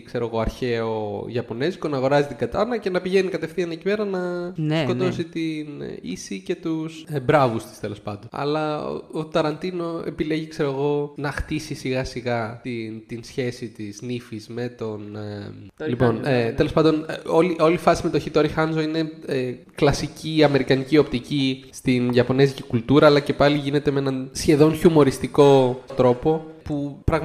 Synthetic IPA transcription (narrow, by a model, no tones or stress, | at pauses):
kse̞ɾo̞ɣo̞ɐɾçe̞oʝɐpo̞ne̞zkonɐːɣo̞ɾɐzit̪iɡɐt̪ɐnɐce̞nɐpiʝe̞nikɐt̪e̞fθiɐnɐecipe̞ɾɐnɐsko̞t̪o̞sit̪inḭsice̞t̪usbɾɐvust̪i̥st̪e̞lo̞spɐnd̪onɐ̰lɐo̰ot̪ɐɾɐnt̪ino̞ḛpile̞ʝikse̞ɾoɣo̞nɐxt̪isisiɣɐsiɣɐt̪int̪insçe̞sit̪iznifizme̞t̪o̞n | lipo̞net̪e̞lo̞spɐnd̪o̞no̞liʔo̞lifɐsime̞t̪oçit̪o̞ɾixɐnzo̞ine̞e | klɐsiciɐme̞ɾikɐnicio̞pt̪icist̪inʝɐpo̞nezicikult̪uɾɐːlɐce̞pɐliʝine̞t̪emee̞nɐnsçe̞ðo̞nçumo̞ɾist̪iko̞t̪ɾo̞po̞pupɾɐɣ